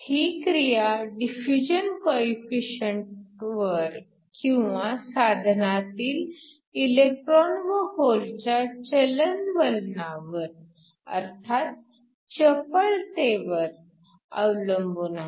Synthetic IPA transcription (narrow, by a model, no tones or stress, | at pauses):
hiːkɾijaɖifud͡ʑənkɔifiɕəɳʈʋəɾ | kĩw̃ʋasad̪ʱnat̪iːl | ilek̚ʈɾɔnʋəholt͡ɕjat͡ɕələnʋəlnaʋəɾ | ə̰ɾt̪ʰat̪̚ | t͡ɕəpəɭt̪eʋəɾ | ə̰wləmbuna